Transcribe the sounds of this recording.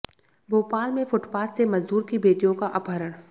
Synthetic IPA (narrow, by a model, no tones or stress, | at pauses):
bʱoːpaːlmẽfʊʈpaːssemɐzd̪uːɾkibeːt̪ijõkaʔɐpɦəɾəɽ